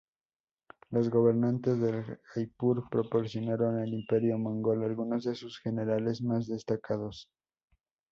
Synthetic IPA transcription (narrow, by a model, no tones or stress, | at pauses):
lo̞zɣo̞β̞e̞ɾnant̪e̞zðe̞lajpuɾpɾo̞po̞ɾsjo̞naɾo̞nelimpe̞ɾjo̞mõŋɡo̞lalɣuno̞zðe̞susxe̞ne̞ɾale̞zmazðe̞st̪akaðo̞s